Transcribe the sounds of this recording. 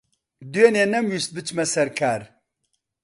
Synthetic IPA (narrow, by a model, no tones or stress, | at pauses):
d̪ujenenɛmwist̪̚bɨt͡ʃʰmɛsɛɾkʰaːɾ